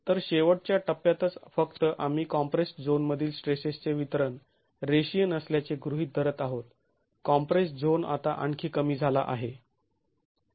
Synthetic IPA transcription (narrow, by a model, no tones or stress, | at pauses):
t̪əɾɕeʋəɽ̚t͡ɕjaʈəpːjat̪ət͡sfəkt̪əʔam̤iːkɔmpɾesd͡zonməd̪ʱiːlsʈɾesest͡seʋit̪əɾən | ɾeɕijənəsljat͡seɡɾuɦiːt̪̚d̪ʱəɾət̪aɦot̪ | kɔmpɾesd͡zona̰t̪aʔəɳkʰiːkəmiːd͡zʱala̰ʔaɦe